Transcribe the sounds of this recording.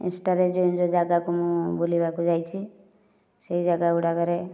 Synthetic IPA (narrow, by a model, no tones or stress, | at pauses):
ḭnsʈaɾed͡ʒond͡ʒod͡ʒaɡakomũbolibakud͡ʒajt͡ʃʰi | seɦid͡ʒaɡauɽakəɾe